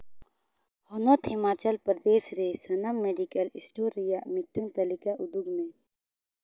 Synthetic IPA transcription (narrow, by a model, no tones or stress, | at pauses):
hɔnot̪ɪmaːt͡ʃəlpɾəd̪eːsɾesɐnamːeɖikəlisʈoːɾijamit̪əŋt̪ɐlikaʔʊd̪uɡmẽ